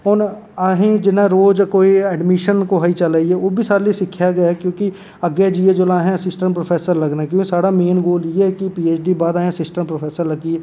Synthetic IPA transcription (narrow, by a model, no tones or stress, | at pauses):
ɔːɾaːɦĩd͡ʒɪnẽɾoːd͡ʒkoːiɛːɖmɪʃənkoɦaːit͡ʃalaːiɦɛʋoːbʱisaːɾlisɪkʰjaɡɐjakjõːki | ɐɡjed͡ʒied͡ʒʊlaɦɛ̃ɐsɪsʈə̃mpɾoːfʰeːsəɾlɐɡnakjõːkisaːɽameːnɡoːljeɦɛkipiːeːt͡ʃɖibaːd̪aːẽsɪsʈə̃mpɾofʰeːsəɾlɐɡie